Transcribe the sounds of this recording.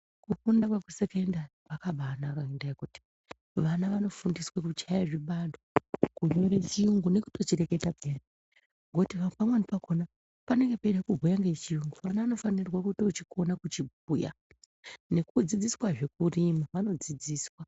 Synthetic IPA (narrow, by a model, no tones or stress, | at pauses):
kukundawakusekendaripakaɓaːnakaindaekuti̥ | ʋanaʋano̞fundiswakut͡ʃajaʐiɓandokuɲo̞ɾet͡ʃiuŋɡune̞ku̥to̞t͡ʃiɾe̞ke̞tapeːre | ŋɡotiʋapamwenipakʰona | pane̞ŋɡe̞peɗakubʱojaŋɡet͡ʃijuŋɡuʋanaʋano̞fanirwakuto̞t͡ʃiko̞nakut͡ʃib̚ʱ | uja̰ | ne̞kud͡zid͡ziswaʐe̞k̚urimaʋano̞d͡zid͡ziːswa